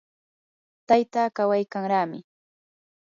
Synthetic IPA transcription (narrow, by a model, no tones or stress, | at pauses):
t̪ajt̪aːkawajkaŋɾaːmɪ